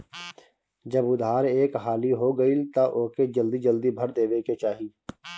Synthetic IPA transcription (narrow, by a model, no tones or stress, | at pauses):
d͡ʒəbʊd̪ʱaːɾeːkɦaːliɦoɡəilt̪aʔoːked͡ʒəld̪id͡ʒəld̪ibʱəɾd̪eːʋeket͡ʃaːɦiː